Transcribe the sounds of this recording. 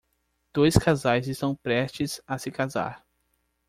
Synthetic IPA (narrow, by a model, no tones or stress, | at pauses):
d̪̥ojskazajzɪst̪ɐ̃w̃pɾɛst͡ʃɪzasɪkaza̰ɾ